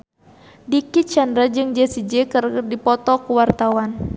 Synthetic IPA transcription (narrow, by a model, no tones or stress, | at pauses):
dikit͡ʃandɾad͡ʒɨŋd͡ʒɛsid͡ʒɛkɨrdipɔt̪ɔkuwart̪awan